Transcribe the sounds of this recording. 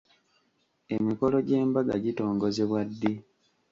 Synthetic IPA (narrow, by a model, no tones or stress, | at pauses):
emiko̞lo̞ɟe̞ːmbaɡa̰ɟito̞ːŋɡo̞zeβwadːe